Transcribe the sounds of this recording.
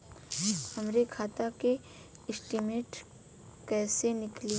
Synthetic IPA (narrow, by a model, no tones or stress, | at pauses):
hɐmɾekʰaːt̪ake | ɪsʈimeːʈ | kɛːsenɪkli